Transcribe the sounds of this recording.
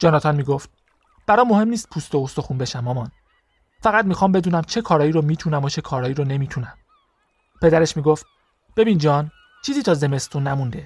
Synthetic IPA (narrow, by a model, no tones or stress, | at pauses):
d͡ʒɒːnɒːt̪ʰɒnmiːɡoft̪̚ | b̥æɾɒːmːo̞he̞mniːst̪̚pʰust̪oost̪o̞xuːnbe̞ʃæmːɒːmɒn | fæɣæd̪̚mixɒːmbe̞d̪uːnæmt͡ʃʰe̞kʰɒːɾɒːjiːɾomiːt̪ʰunæmot͡ʃʰe̞kʰɒːɾɒːiːɾone̞miːt̪ʰunæm | pʰe̞d̪æɾeʃmiːɡoft̪̚ | b̥e̞biːnd͡ʒɒːn | t͡ʃʰiːziːt̪ʰɒːze̞me̞st̪ʰunːæmund̪e